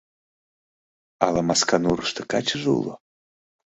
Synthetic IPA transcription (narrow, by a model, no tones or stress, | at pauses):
alamaskanuɾəʃt̪ə̆kat͡ɕəʒṵlˠo̰